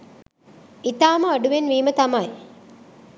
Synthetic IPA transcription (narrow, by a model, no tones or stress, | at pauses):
it̪aːməɐɖuʋenʋiːmət̪ɐmɐj